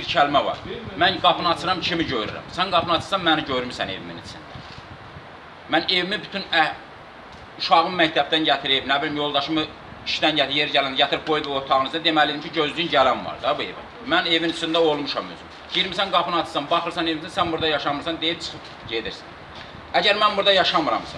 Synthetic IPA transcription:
biɾcʰælmævɑ̰ɾmænɡɑpʰɯnɑt͡sʰɯɾɑmcʰimiɟøjɾy̰ɾæ̰msænɡɑpʰɯnɑt͡s̪ʰɯ̥sɑnmæniɟøjɾmisæne̞̰vimḭnḭt͡sʰind̪æ̰ | mæne̞vimibyt̪ʰynæ | uʃɑɣɯmmæct̪ʰæb̚t̪ænɟæt̪ʰiɾibnæbilimjo̞lˠd̪ɑʃɯmɯ | iʃd̪ænɟæt̪ʰijeɾɟælænd̪ɟæt̪ʰiɾip̚bojd̪io̞ɾt̪ʰɑɣɯnɯznd̪e̞mælid̪imcʰiɟøzd̪ynɟælænvɑ̰ɾd̪ɑbue̞̰væ̰ | mæne̞vint͡sʰind̪æo̞lˠmuʃɑmy̰sym | ɟiɾmisænɡɑpʰɯnɑt͡s̪ʰɯ̥sɑnbɑχɯɾsɑne̞vimsænsænbuɾd̪ɑjɑʃɑmɯɾsɑnd̪ejip̚t͡ʃʰɯ̥xɯp | ɟe̞d̪iɾsæ̥n | æɟæɾmænbuɾd̪ɑjɑʃɑmɯɾɑ̰msɑ̰

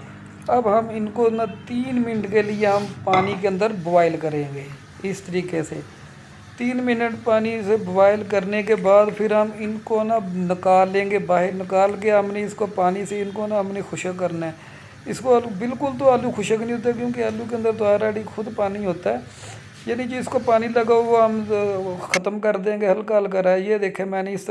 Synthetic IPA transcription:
əbɦəmɪnkonat̪iːnmɪnəʈkelɪeɦəmpaːnikeə̃nd̪əɾboʋaːɪlkəɾẽːɡeː | ɪst̪əɾiːkeseː | t̪iːnmɪnəʈpaːnisebʊʋaːɪlk̬əɾnekebaːd̪pʰɪɾɦəmɪnkonanɪkaːlːẽːɡeːbaːɦɪɾnɪkaːlk̬eəmnẽːɪskopaːniseɪnkonaəmneːxʰʊʃək̬əɾnaɛː | ɪskolbɪlkʊlt̪̬oːaːluːkʰʊʃəknĩːɦoːt̪̬aɛkjõːkeaːluːkeːənd̪əɾd̪ʊaːɾaːɽiːxʰʊd̪paːniɦoːt̪aɛː | jaːnĩd͡ʒoːɪskopaːniləɡaːooːɦəm | xət̪əmkəɾd̪ẽːɡeɦəlkəlk̬əɾaːjed̪eːkʰeːmɛːneːɪs

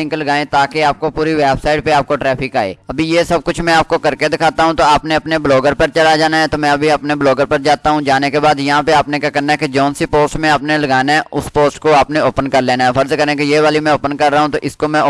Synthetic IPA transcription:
ɪ̃ŋklɐɡaːẽt̪aːkeaːp̚kopuːɾiʋɛːbsaːɪʈ̚peaːp̚koʈɾɛːfʰɪkaːḛːɐbʱijesɐb̚kʊt͡ʃʰmɛ̃aːp̚kokɐɾked̪ɪkʰaːt̪aɦũt̪oaːpneɐpnebloːɡəɾpɐɾt͡ʃɐlad͡ʒaːnaɦɛt̪omɛ̃ɐbʱiɐpnebloːɡəɾpɐɾd͡ʒaːt̪aɦũd͡ʒaːnekebaːd̪jɐɦãpeaːpnekakɛnaɦɛked͡ʒoːnsipoːsʈmẽaːpnelɐɡaːnaɦɛʔʊspoːsʈkoaːpneoːpənkɐɾleːnaɦɛfʰəɾzkəɾẽkejeːʋaːlimɛ̃oːpənkɐɾːaːɦũt̪oʔɪskomɛ̃

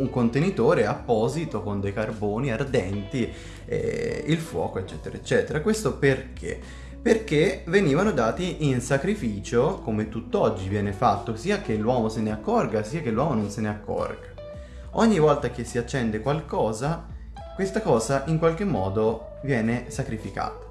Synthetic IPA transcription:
uŋkont̪enit̪oːɾeapːɔːzit̪okond̪ejkarboːniard̪ɛnt̪i | ɛ̰ilfwɔ̰ːkoet͡ʃːɛːt̪eɾaet͡ʃːɛːt̪eɾakwest̪operkʰḛ | perkeveniːvanod̪aːt̪iʔinsakɾifiːt͡ʃokomet̪ːut̪ːɔd͡ʒːivjɛːnefat̪ːosiːak̟elːwɔːmoseneakːɔrɡasiːakelːwɔːmononseneakʰːɔ̰rɡḁ | oɲːivɔlt̪ak̟esːiat͡ʃːɛnd̪ekwalkɔːza | kwest̪akɔːzaʔiŋkwalk̟emːɔːd̪o | vjɛːnesakɾifika̰ːt̪ḁ

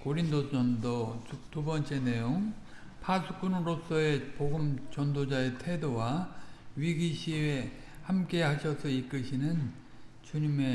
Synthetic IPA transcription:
koɾindoʌndotubʌnt͡ɕ͈e̞ne̞joŋ | pʰasʰuk͈unɯɾos͈ʌe̞poɡɯmt͡ɕʌndod͡ʑae̞tʰe̞dowaɥiɡiɕʰie | hamk͈e̞ɦaɕʰʌsʰʌik͈ɯɕʰinɯn | t͡ɕuɲime̞

